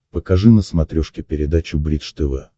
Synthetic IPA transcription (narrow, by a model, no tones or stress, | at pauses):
pəkɐʐɨnəsmɐt̪ɾʲɔʂkʲɪpʲɪɾʲɪd̪at͡ɕʊbɾʲit̪ʂt̪ɛvɛ̰